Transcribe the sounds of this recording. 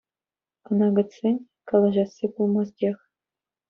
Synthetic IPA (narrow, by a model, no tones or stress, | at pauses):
ɤ̆nɑɡɤ̆t͡sːenʲ | kɑlˠɤ̆ʒɑsːibulˠmɑzd̪ʲex